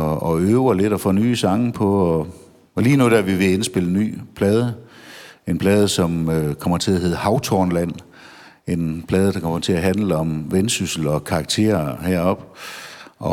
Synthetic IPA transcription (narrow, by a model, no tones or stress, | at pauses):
ɒøːʊɐle̝d̥ɒfɔ̰ːnyːsɑ̈ŋpʰɒ̽ɒ | ɒliːnud̥eɐʋiʋe̝e̝nsb̥e̝ləny̰ːpʰlɛːð̞ˠə | e̝npʰlɛːð̞ˠəsɒ̽møkʰɒ̽m̰ɐt͡sʰe̝læɦe̝ð̞̩̰ˠhɑ̈ʊt͡sʰɒːnlæn̰ | e̝npʰlɛːð̞ˠəd̥ɑkʰɒ̽mɐt͡sʰe̝æɦænləɒ̽mʋensysl̩ɒ̽kʰɑ̈ɡ̥̚t͡sʰe̝̰ːɐheɐ̰ɒ̽b̥ | ɒ̽